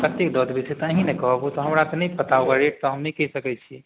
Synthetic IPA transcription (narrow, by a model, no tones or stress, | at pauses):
pɾət̪jekd̪ɔd̪bisʰet̪aɦĩnɛkɔɦɔbut̪ɔɦɐmɾat̪ɔnəĩpət̪aoɡaɾeʈ̚t̪ɔɦəmnĩkɛɦisəkɛt͡ʃʰi